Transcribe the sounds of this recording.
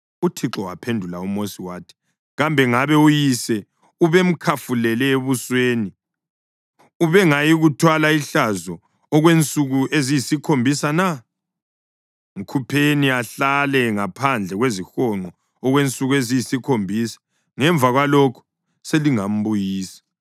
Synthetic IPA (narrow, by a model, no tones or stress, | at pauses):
utʰiǁɔwapʰendʱulaumosiwaːtʰi̥ | ɣambʱɛŋaβɛujisɛ | uβem̩kʰafulɛlɛeβusweːni | uβɛŋajiɣutʰwalaiɬazɔː | ɣwent͡sʼuɣuezijisikʰombʱisana | ŋ̩kʰupʰeniaɬalɛŋapʰand͡ɮʱɛɣwezixɔŋ͡ǃɔː | ɣwent͡sʼuɣuezijisikʰombʱisḁ | ŋɛɱvʱaɣwalɔkʰu̥ | seliŋam̩βujiːsḁ